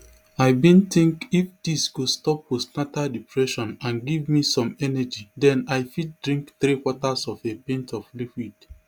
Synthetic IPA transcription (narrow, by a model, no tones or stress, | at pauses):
aɪbĩntĩŋkifd̥isɡ̥ostɔp̚wosnatadipʰɹɛʃɔ̃nãnɡivmisɔ̃mɛnɛd͡ʒidɛ̃naɪfit̚dɹĩŋkθɾikwɔtasɔfebẽntɔflikid̥